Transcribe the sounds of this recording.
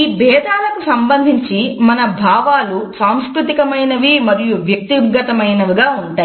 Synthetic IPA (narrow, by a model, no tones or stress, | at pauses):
iːbɛːd̪aːlɐkusɐmbɐnd̪ʱiɲt͡ʃimɐnɐbʱaːʋaːlusaːmskɾut̪ikɐmɐjnɐʋimɐɾijuʋjɐk̚t̪iɡːɐt̪ɐmɐjnɐʋiɡaːuɳʈaːj